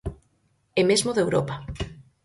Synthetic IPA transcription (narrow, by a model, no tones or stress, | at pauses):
emezmoðewɾɔ̰pa